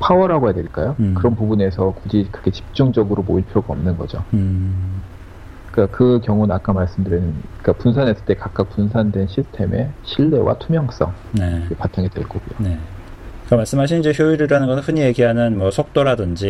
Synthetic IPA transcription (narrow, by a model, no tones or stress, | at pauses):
pʰawʌɾɦaɡojadweɭk͈ajokɯɾʌnpubune̞sʰʌkud͡ʑikɯɾʌɡʰet͡ɕi̥p̚t͡ɕ͈uŋd͡ʑʌɡɯɾomoiɭpʰjoɡaʌmnɯnɡʌd͡ʑo̰ | k͈akɯkjʌŋonak͈amaɭs͈ɯmdɯɾinɯnk͈apunsʰanes͈ɯ̥t͈ekak͈ak̚p͈unsʰandwe̞nɕʰisʰɯ̥tʰe̞me̞ɕʰiɭːe̞wa̰tʰumjʌŋs͈ʌ̰ŋne̞kepatʰaŋidwe̞̰ɭk͈oɡijone̞ | k͈amaɭs͈ɯmɦaɕʰinid͡ʑeçjoiɾɯɾanɯnŋɡʌsʰɯɸɯɲie̞ɡiɦanɯnmwʌsʰok̚t͈oɾadɯnd͡ʑi